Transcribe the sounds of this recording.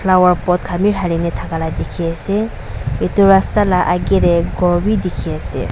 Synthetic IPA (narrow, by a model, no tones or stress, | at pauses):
pʰlawaɹpɔt̚kʰamiɹɦalinɛtʰakaladekʰiasɛ | etʊɹastalaʔaɡiɾɛɡɔɹbidekʰiasɛ̰